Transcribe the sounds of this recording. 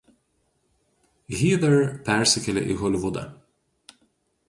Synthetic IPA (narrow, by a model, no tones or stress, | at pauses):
ɣʲiːd̪ɛɾpʲɛɾʲsʲɪkʲɛlʲɛ̰ʔḭɣɔlʲɪʋʊd̪ɑ̰